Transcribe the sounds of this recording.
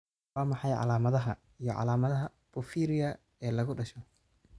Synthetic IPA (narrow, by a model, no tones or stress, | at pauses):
aːmɑħɑjʕɑ̰laːmɐðɐɦɐ | ijɞʕɑ̰laːmɐðɐɦɐ | b̥ʊfiːɾɪjɐ | ɛːlɐɣʊɖɐʃɔ